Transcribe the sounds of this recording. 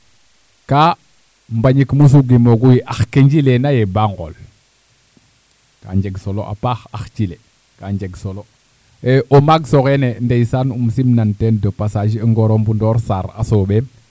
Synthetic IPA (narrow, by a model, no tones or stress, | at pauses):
ka | mbaɲikmus̬uɡimoɡujiʔaxkeɲd͡ʒilenajebaŋɡo̰l | ka̰ɲd͡ʒeɡsolo̰ʔa̰paxaxt͡ʃile | kaɲd͡ʒeɡsolo | eʔomaɡsoɣenendejsanumsimnantendəpasaʃiəŋɡoɾombundoːɾsaɾa̰sobe